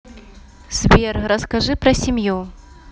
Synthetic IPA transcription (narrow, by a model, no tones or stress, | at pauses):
svʲerɾɐskaʐɨpɾɐsʲimju